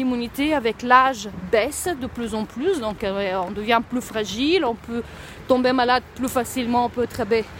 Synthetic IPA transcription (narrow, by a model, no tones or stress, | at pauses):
imynit̪eavɛklaʒbɛsd̪əplyzɑ̃plysd̪ɔ̃kɔ̃d̪əvjɛ̃plyfʁaʒilɔ̃pø | t̪ɔ̃bemalad̪plyfasilmɑ̃ɔ̃pøɛt̪χəbɛ